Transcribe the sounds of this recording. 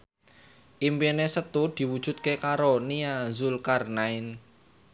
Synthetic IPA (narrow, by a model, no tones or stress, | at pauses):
ʔimpenesət̪ud̪̥i̤wud̥ʒ̥ṳt̪̚kekaɾoniazulkarnaɪn